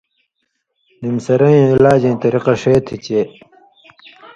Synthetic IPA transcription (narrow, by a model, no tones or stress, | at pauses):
nimsɐɾɐjĩilaːd͡ʑẽːt̪ɐɾiqɐʂeːt̪ʰit͡ɕeː